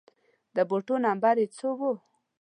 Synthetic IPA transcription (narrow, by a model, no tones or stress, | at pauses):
d̪əboʈonambaɾet͡sowo